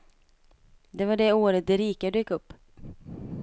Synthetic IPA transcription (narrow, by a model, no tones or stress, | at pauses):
d̪ɛvaɖɛoːɾət̪̚d̪ɛɾiːkad̪øjɪkːɵpː